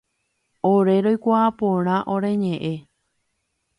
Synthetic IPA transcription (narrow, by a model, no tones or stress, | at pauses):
oɾe̞ɾojkʷaapõɾ̃ãʔo̞ɾe̞ɲẽ̞ʔe